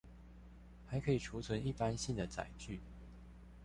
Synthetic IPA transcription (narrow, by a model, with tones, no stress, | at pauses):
xa˨˧˥ɪkʰɤ˧˥i˨˩ʈ͡ʂʰu˧˥t͡sʰwə˧˥ni˥˩pa˥nɕi˥˩nd̪ə˩t͡sa̰˨˩ɪt͡ɕy˥˩